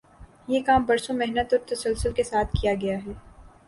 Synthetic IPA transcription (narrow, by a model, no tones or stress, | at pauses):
jekaːmbɐɾsomɛɦnət̪ɔːɾt̪ɐsəlsʊlkesaːt̪ʰkijaɡɐjaɦɛː